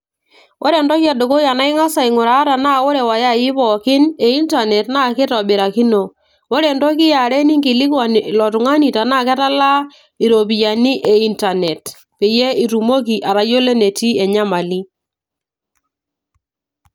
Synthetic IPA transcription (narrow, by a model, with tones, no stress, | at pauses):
wʔo˦ɾɛ˨ndɔ˦kja˨do˨ko˦ja˨na˦ɪ˦ŋa˦sa˨ɪ˨ŋʊ˨ɾa˨˦ta˨na˦˨wo˦ɾe˨wa˨ja˦jɪ˦pɔ˨kɪ˦ne˨i˦nta˨nɛ˨tna˦˨kɪ˦tɔ˨bɪ˨ɾa˨ki˦no˨ | wo˦ɾe˨ndɔ˦k̬ɪ˦ja˨ɾe˦ni˦ŋɡɪ˨lɪ˦kwa˨n˨lɔ˨tʊ˨ŋa˦ni˨ta˨na˦˨kɛ˦ta˦la˦ | i˨ɾo˨pi˨ja˨ni˦ʔɛ˨i˦nta˨nɛ˨t | pe˨je˦i˨ɾu˨mo˦k̬i˨ʔa˨ɾa˨jo˦le˦ne˨ti˦ɛ˨ɲa˦ma˨li˦